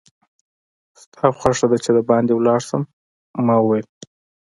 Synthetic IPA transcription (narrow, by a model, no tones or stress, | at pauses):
st̪ʰɑxʷwaʂad̪at͡ʃed̪əbɑnd̪ewlɑɽsəmː | ɑwwel